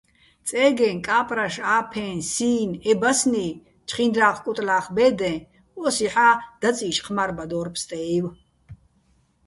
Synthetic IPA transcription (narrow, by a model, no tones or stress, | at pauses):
t͡sʼɛːɡɛnkʼaːpʼraʃaːpʰɛ̃nsiːnɛbasni | t͡ʃʰχind̪ɾaːqʰkʼut̪ʼlaːχbɛːd̪ɛ̃ | ɔsiħaːd̪̥at͡sʼiːʃqʰmaɾbad̪ɔːrpʰst̪ʼɛiw